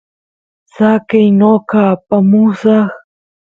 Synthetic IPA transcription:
sakɪjnokaːpamʊsɑχ

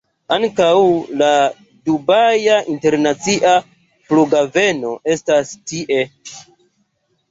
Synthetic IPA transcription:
aŋkawla | dubajaʔinte̞ɾnat͡siʔa | pluɡave̞no̞e̞stastiʔe̞

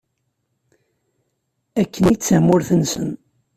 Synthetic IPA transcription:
ækːənit͡sːamːʊɾθənsən

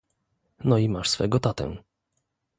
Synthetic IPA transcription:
nɔimaʂsfɛ̰ɡɔt̪at̪ɛ̰̃

